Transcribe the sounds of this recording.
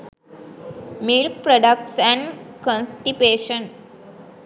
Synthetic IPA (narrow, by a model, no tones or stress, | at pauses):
milk̚pɾɔɖək̚ʈsɛ̃ɳkɔ̃nsʈipeːʃə̃n